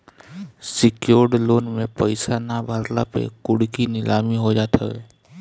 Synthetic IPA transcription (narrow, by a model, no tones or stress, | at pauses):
sɪkjoːɾɖloːnmẽpəɪsanabʱəɾlapḛkʊɽkinɪlaːmiɦod͡ʒaːt̪ʰa̰ɛ̰ː